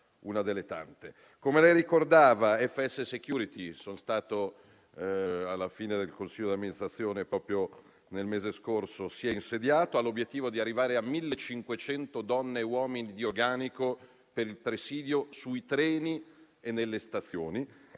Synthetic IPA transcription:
unad̪elːet̪a̰nt̪e | komelɛjɾikord̪aːvaɛfːeɛsːesekjuːɾit̪isonst̪aːt̪o | alːafiːned̪elkonsiʎːod̪iamːinist̪ɾat̪sːjoːnepɾɔːpɾjo | nelmeːzeskorsosiɛinsed̪jaːt̪oalːobjet̪ːiːvod̪iarːivaːɾeamːilːet͡ʃːiŋkwet͡ʃɛnt̪od̪ɔnːewɔːminid̪iorɡaːniko | peɾilpɾesiːd̪josuit̪ɾɛːni | enːelːest̪at̪sːjoːni

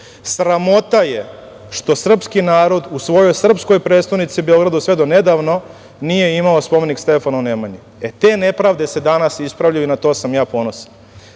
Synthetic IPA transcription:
sɾamo̞t̪aje | ʃt̪o̞sr̩pskinaːɾo̞d̪usʋo̞jo̞jsr̩psko̞jpɾet̪st̪anit̪siube̞o̞ɡɾad̪usʋe̞d̪one̞d̪aʋno̞ | nije̞imaospo̞me̞nikst̪e̞fanaunemaɲi | et̪e̞ːne̞pɾaʋd̪e̞se̞d̪anasispɾaʋʎajuinat̪o̞ːsamjaːpo̞nosḁ

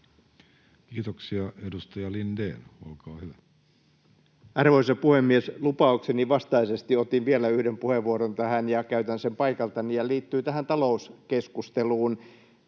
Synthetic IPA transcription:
kiːt̪oksiɑedust̪ɑjɑlindḛːnolkɑːhyʋæ | ɑrʋoisepuhemːieslupɑukseniʋɑst̪ɑisest̪iot̪iʋʋielæyhdempuheʋʋuoɾont̪æhænjɑkæyt̪ænsempɑikɑlt̪ɑnijɑliːt̪ːyːt̪æhænt̪ɑlouskeskust̪eluːn

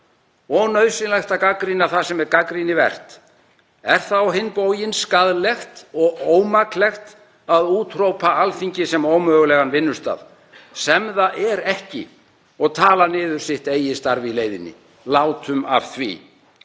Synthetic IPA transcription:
ɔnœɥsɪnlajxt̪akakɾinaθasɛmɛɾkakɾinɪvɛ̰r̥t̪ | ɛɾ̥θawɦɪnpowjɪnskaðlɛxt̪ɔɣoːwmaklɛxt̪ | aðuːt̪rowpʰaalfiɲcɪsɛmowmœːɣʏlɛɣanvɪnːʏst̪a̰ð | sɛmðaʔɛɾɛhcɪ̰ | ɔɣt̪ʰaːlanɪːðʏɾ̥sɪht̪eːjɪst̪aɾvɪleːjðɪ̰nːɪ̰ | laːwt̪ʰʏma̰v̥θvḭ

